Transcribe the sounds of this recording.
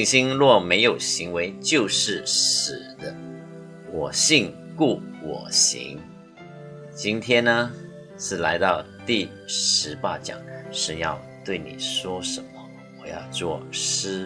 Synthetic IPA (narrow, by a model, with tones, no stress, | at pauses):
ŋɕi˥ŋlwɔ˥˩me˧˥ɪjo˨˩ʊɕi˧˥ŋwe˧˥ɪt͡ɕjo˥˧ʊʂɻ̩˥˩ʂ̩˨˩d̪ə˦ | wɔ˨˩ɕi˥˧ŋ | ku˥˩wɔ̰˨˩ɕḭ˧˥ŋ | t͡ɕi˥nt̪ʰjɛ˥nnə˧ | ʂɻ̩˥˩la˧˥ɪt̪ɑ˥˧ʊ | t̪i˥˩ | ʂɻ̩˧˥pa˥t͡ɕjɑ̰˨˩ŋʂ̩˥˧njɑ̰˥˧ʊt̪we˥˩ɪnḭ˨˩ʂwɔ˥ʂə˧˦nmə˦ | wɔ˨˩jɑ˥˧ʊt͡swɔ˥˩ʂ̩˥